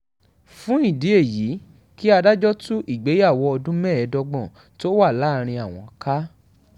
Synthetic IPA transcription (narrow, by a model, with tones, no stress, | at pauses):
fũ˦i˦˨di˨˦e˦˨ji˨˦ | ki˦a˧da˦d͡ʒɔ˦tũ˦ʔi˦˨ɡ͡be˨˦ja˦˨wɔ˧ɔ˧dũ˦mɛ̃˦˨ɛ˨˧˦dɔ˧ɡ͡bɔ̃˨ | to˦wa˦˨la˨˦˧ɾ̃ĩ˧a˨w̃ɔ̃˧ka˦